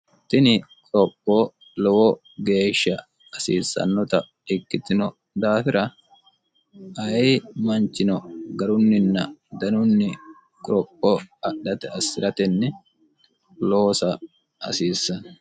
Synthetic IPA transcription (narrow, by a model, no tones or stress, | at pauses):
t̪ːɪnɪkʼɾɔpʼːo | lɔwɔ | ɡe̞ːʃːɐ | ɐsḭːsːɐ̰nːɔt̪ɐ | ɪkːɪt̪ɪnɔ | d̪aːfɪɾɐ | ɐimɐnt͡ʃːɪnɔɡɐɾʊnːɪnːɐd̪ɐnʊnːɪ | kʼʊɾɔpʼːɔɐɗɐt̪ɛɐsːɪɾɐt̪ɛnːɛ | loːsɐ | ɐ̰siːsːɐn